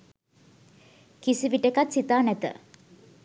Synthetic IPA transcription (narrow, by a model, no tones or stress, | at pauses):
kisiʋiʈekat̪sit̪aːnɛt̪ə̰